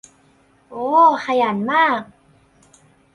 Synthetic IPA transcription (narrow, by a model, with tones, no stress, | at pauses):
ʔoː˨˦kʰa˧jaː˩˦nmaː˥˩k̚